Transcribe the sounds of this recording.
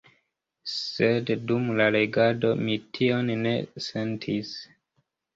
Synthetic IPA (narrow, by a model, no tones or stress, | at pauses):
se̞ddumlale̞ɡado̞mitʰio̞nne̞se̞ntʰis